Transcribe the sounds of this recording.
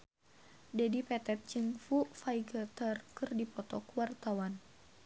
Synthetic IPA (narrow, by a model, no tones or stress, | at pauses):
dɛdipɛt̪ɛt̪̚t͡ʃɨŋfufaiɡat̪ərkɨrdipɔt̪ɔkwart̪awan